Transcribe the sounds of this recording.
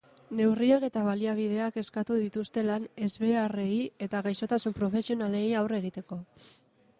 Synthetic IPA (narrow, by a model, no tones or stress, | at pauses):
ne̞wriake̞t̪aβ̞aliaβ̞ið̞e̞ake̞skat̪uðit̪ust̪e̞lane̞zβe̞are̞ie̞t̪aɣajso̞t̪asumpɾo̞fe̞sio̞nale̞jawre̞ɣit̪e̞ko̞